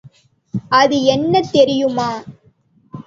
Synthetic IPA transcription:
ʔɐðɯɛnːɐt̪ːɛɾɪjɯmaː

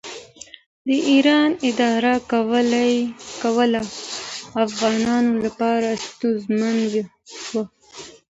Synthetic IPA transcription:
d̪əʔiɾɑnɪd̪ɑɾakwlakawəlaː | fɣɑnɑnolapɑɾast̪uzmanw | wa

